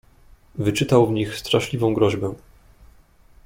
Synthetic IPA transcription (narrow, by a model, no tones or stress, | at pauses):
vɘt͡ʂɘt̪awvɲixst̪ɾaʂlʲivɔ̃w̃ɡɾɔʑbɛ